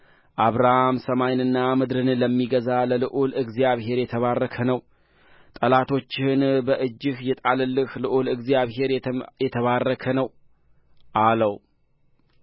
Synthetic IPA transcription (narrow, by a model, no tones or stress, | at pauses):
ʔaβɾahamsəmajnɨnːamɨd̪ɾɨnləmːiɡəzaləlɨʔulɨɡzijaβɦe̞ɾjɛt̪ʰəβarːəkʰənəw | t̪ʼəlat̪ʰo̞t͡ʃːɪnbəʔɨd͡ʒːɪhjɛt̪ʼalɨlːɨhlɨʔulɨɡzjaβɦe̞ɾjɛt̪ʰəβarːəkʰənəw | ʔaləw